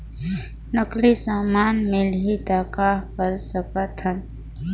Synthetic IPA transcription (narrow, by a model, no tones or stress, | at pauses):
nəklisaːmaːnmelɦid̪aːkakəɾsəkət̪ʰən